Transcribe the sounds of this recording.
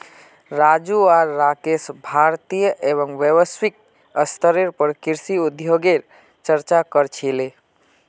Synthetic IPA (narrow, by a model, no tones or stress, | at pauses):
ɾad͡ʒuaɾːakesbʱaɾt̪ijəʔeβəŋʋjeʋəswik̚ | əst̪ʰəɾeɾpəɾkiɾsiud̪ʱjoɡeɾ | t͡ʃəɾt͡ʃakəɾt͡ʃʰile